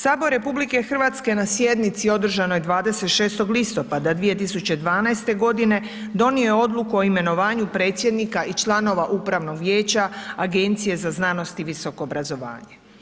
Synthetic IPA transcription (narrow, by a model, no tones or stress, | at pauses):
saːbo̞ɾe̞publike̞xr̩ʋat̪ske̞nasje̞d̪nit̪sio̞d̪r̩ʒanojed̪ʋaːd̪e̞set̪ʃe̞ːst̪o̞ɡlist̪o̞pad̪ad̪ʋie̞t̪isut͡ɕe̞d̪ʋaːnajst̪e̞ɡo̞d̪ine̞ | d̪o̞niojo̞d̪lˠukuo̞ime̞no̞ʋaːɲupɾe̞ːt̪sje̞d̪nikaʔit͡ʃlˠano̞ʋaʔuːpɾaʋno̞ɡʋje̞ːt͡ɕaaɡe̞nt̪sije̞zaznaːno̞st̪iʋiso̞koːbɾazo̞ʋa̰ːɲe